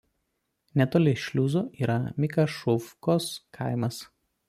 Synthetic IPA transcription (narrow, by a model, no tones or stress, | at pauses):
nʲɛt̪oːlʲɪʃʲlʲuːzoːʔiːɾɐmʲɪkɐʃʊfkoːskʰɑɪmɐs